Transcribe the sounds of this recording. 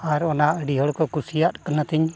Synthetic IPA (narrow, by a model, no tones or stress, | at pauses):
aɾɔnaʔəɖiɦɔɽkɔkusijat̪kənət̪iɲ